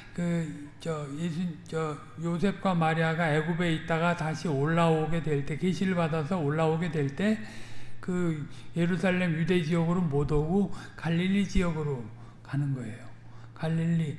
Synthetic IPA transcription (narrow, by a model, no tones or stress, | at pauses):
kɯt͡ɕʌjesʰunt͡ɕʌ | josʰe̞p̚k͈wamaɾiaɡaeɡube̞it̚t͈aɣataɕʰioɭːaoɡe̞dwe̞ɭt͈e̞ke̞ɕʰiɾɯɭbadasʰʌoɭːaoɡe̞dwe̞ɭt͈e̞kɯ | je̞ɾusʰaɭːe̞mjude̞d͡ʑijʌɡɯɾomodʌɡokaʎːiʎːid͡ʑijʌɡɯɾo | kanɯnɡʌe̞jo | kaʎːiʎːi